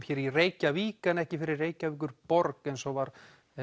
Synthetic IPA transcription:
fjɛːɾireːjcaviːkanɛhcɪfɪɾɪɾreːjcaviːk̬ʏɾpɔɾkɛnsɔvaɾ

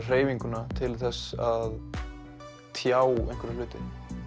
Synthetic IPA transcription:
r̥eːjviŋkʏnat̪ʰɪlθɛsað | t̪ʰjaːwejŋ̥kvɛɾalʏːt̪ɪ̰

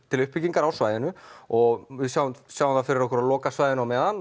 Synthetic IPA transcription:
t̪ʰɪlʏhpːiciŋkaɾawsvaːjðɪnʏɔɣvɪsjaw̪sjawanθafɪɾɪɾɔhkʏɾaðlɔːkasvajðɪnawmɛːðan

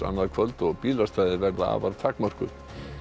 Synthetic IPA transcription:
a̰nːaðkʰvœlt̪ɔɣpiːlast̪aːðɪɾvɛɾðaa̰ːvaɾt̪ʰakmar̥kʏɾ̥

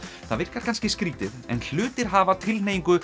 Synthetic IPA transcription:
θa̰ðvɪr̥kaɾkʰanscɪskɾiːt̪ɪðɛ̰nl̥ʏːt̪ɪɾ̥ɦaːvat̪ʰɪlneːjiŋkʏ

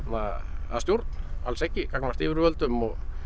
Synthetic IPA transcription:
t̪naa̰ðst̪jowɾt̪na̰lsɛhcːɪkaknvar̥t̪ɪːvɪɾvœlt̪ʏmɔɣ

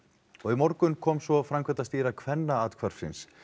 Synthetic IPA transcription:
ɔɣimɔɾkʏnkʰɔːmsvɔfɾamkʰvɛt̪ast̪iːɾakʰvɛnːaaːt̪kʰvaɾ̥sɪ̰ns

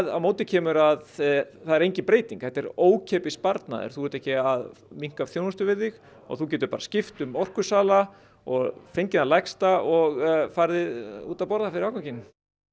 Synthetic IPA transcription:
ða̰wmoːwt̪ɪcʰɛːmʏɾaðθaðɛɾejɲcɪpɾeːjt̪iŋkhɛht̪ːɛɾoːwcʰɛːpɪspaɾt̪na̰ðʏ̰ɾ̥θuvɛɾt̪ɛhcɪaðmiŋ̥kavθjoːwnʏst̪ʏvɪðːɪx | ɔ̰ɣθucɛːt̪̬ʏɾpaːɾḁscɪft̪ʏmɔr̥kʏsaːla | ɔ̰ɣfejɲcɪnalajkst̪aʔɔɣfaːjɾðɪṵːt̪awpɔɾðafɪɾɪɾawkacɪn

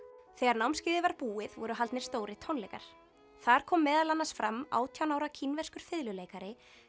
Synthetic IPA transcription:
θɛːɣaɾnawmscɪːðɪvaɾpuːɪðvɔɾʏɦalt̪nɪɾ̥st̪oːwɾɪt̪ʰɔnlɛjka̰ɾ̥ | θaɾ̥kʰɔːmːɛːðalanːasfɾamːa̰ːwt̪ʰjawnawɾacʰinvɛr̥skʏɾ̥fɪðlʏleːjkaɾɪ

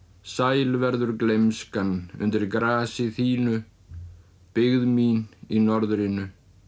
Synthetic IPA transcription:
saːjlvɛɾðʏɾklejmskanʏ̰nt̪ɪɾkɾaːsɪθiːnʏ | pɪɣðmininɔɾðɾɪnʏ

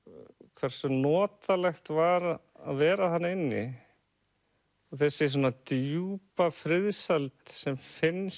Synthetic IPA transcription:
kʰvɛɾ̥sʏnɔːt̪alɛxt̪vaɾ | a̰ðvɛːɾaθanːɪnːɪ̰ | ɔθɛsːɪs̬ɔnːat̪juːpafɾɪðsalt̪sɛmfɪns

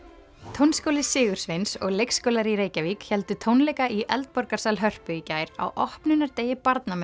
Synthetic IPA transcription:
t̪ʰownskowlɪsɪːɣʏɾ̥svensɔɣlejkskoːwlaɾiɾeːjcavikçɛlt̪ʏt̪ʰownlɛjkaiʔɛ̰lt̪̚pɔɾkaɾ̥salɦœr̥pʏicaːjɾa̰wʔɔhpnʏnːaɾt̪eːjɪpaɾt̪namɛ

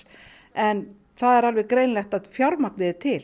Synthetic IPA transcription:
ɛn | θaðɛɾalvɛɣkɾejnlɛxt̪aðfjaɾmaknɪðɪt̪ʰɪl

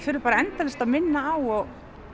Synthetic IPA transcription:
fɪɾʏpaːɾaɛnt̪alɛst̪aðmɪnːaawɔ

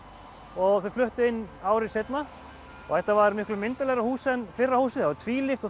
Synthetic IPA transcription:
ɔɣθœflʏht̪ʏɪnːaːwɾɪset̪na | ɔ̰θɛht̪avaɾmɪhklʏmɪnt̪alɛɣɾahuːsɛnfɪrːahuːsɪθavaɾt̪ʰviːlɪft̪ɔ

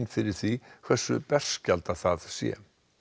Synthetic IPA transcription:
nfɪɾɪɾ̥θikʰv̥ɛsːʏpɛr̥scalt̪aθaðsjɛ̰

